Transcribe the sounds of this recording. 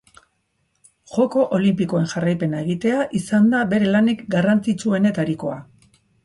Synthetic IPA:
ʝo̞ko̞ʔolimpiko̞e̞nʝarajpe̞nae̞ɣ̞it̪e̞aʔisand̪abe̞ɾe̞lanikɡarant͡sit͡sue̞ne̞t̪aɾiko̞a

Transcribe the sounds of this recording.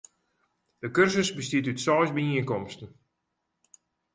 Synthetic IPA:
d̥əkørsəsbəstiətytsɔjsbəiəŋkɔmstən̩

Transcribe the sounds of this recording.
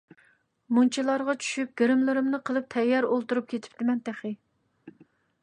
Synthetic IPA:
munt͡ʃʰilˠɑɾʁɑt͡ʃʰy̥ʃyp̚ɡ̥ʲeɾɪmlɪɾɪmnɨqʰəlˠɨp̚t̪ʰɛjːɑɾolˠt̪uɾup̚kʲʰet̪ʰɪ̥p̚t̪ɪmɛnt̪æχɪ

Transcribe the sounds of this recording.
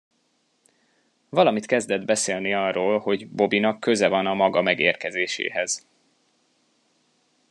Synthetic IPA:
vɒlɒmit̪kɛzd̪ɛd̪bɛseːlniɒrːoːlho̞ɟbo̞binɒkːø̞zɛvɒnɒmɒɡɒmɛɡeːrkɛzeːʃḛːɦɛz̥

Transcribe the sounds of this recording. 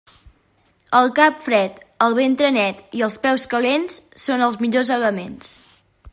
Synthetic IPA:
əlˠkapfɾɛt̪əlˠβ̞ent̪ɾənɛt̪iəlˠspɛwskəlenssonəlˠzmiʎozəɣəmens

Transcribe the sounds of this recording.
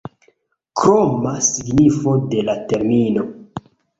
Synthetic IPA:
kɾomasiɡnifo̞de̞late̞ɾmino̞

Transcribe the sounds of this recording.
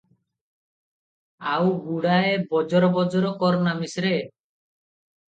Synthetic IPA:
awɡuɽaebɔd͡ʒɔɾɔbɔd͡ʒɔɾɔkɔɾɔnamisɾe

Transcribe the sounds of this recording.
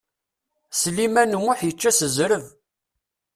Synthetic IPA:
slimænmʊħjət͡ʃːæsəzɾəð

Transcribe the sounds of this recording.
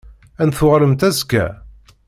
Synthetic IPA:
ænθʊʁɾəmt̪æzkːæ̰

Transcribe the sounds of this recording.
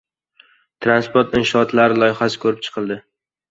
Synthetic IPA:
t̪ʰɾanspoɾt̪ɪnʃɒɒt̪laɾɪlˠɒjχasɪ̥kʰɵɾɪp̚t͡ʃʰɨ̥qʰɨlˠd̪ɪ

